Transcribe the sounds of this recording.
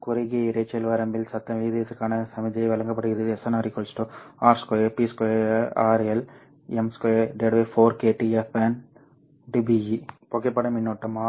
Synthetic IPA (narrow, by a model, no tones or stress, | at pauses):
kʊɾɐɡeɪɾɐt͡ʃːɐlʋɐɾɐmbɪlsɐt̪ːɐʋiːðiɐsɯkːaːnɐsɐmɐd͡ʒɐɪʋɐlɐŋɡɐp̬ːɐɽɯɣɪðɯɛsɐnaɾikolsʈoaːɾskoepiːskoeaːɾɛl | ɛmskoeɖeɖʋefoːɾkeːʈiɛfen | ɖibijipoːkːep̬ːɐɽɐmɪnːoːʈːɐma